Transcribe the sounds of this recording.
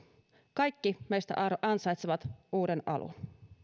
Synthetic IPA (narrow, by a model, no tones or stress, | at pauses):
kɑjkːimejst̪æ̰ʔɑrɑnsɑjt̪seʋɑt̪uːdenʔɑ̰lṵn